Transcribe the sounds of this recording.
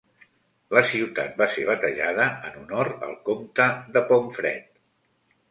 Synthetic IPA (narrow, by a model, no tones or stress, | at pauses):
ləsiwt̪a̰t̪̚baseβət̪əʎað̞əənunɔɾə̰lˠkomt̪əðəpɔɱfɾɛ̰t̪